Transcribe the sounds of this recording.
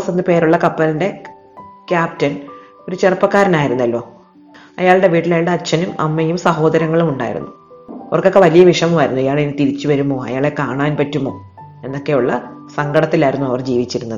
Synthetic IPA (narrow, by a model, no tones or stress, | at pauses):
sɐnːɨpe̞ːɾuɭːɐkɐpːɐlinde̞ | kʲaːp̚tɐn | o̞ɾut͡ɕerpːɐkːaːɾɐnaːjiɾunːɐlːo̞ː | ɐjaːɭɽe̞ʋiːʈːilaːjɭɽɐɐt͡ɕːɐnumɐ̰mːɐjumsɐɦo̞ːd̪ɐɾɐŋːɐɭumuɳɖa̰ːjḭɾṵnːu | orɐkːokːeʋɐlijɐʋiʂɐmumɐːjɾunːuɐjaːɭenːɨt̪iɾit͡ɕːuʋɐɾumːo̞ːɐ̰jaːɭe̞kaːɳaːnpɐtːumːo̞ː | e̞nːo̞kːe̞juɭːɐsɐŋɡɐɽɐt̪ːilaːjiɾunːuɐʋɐrd͡ʑiːʋit͡ɕːiɾunːɐðɨ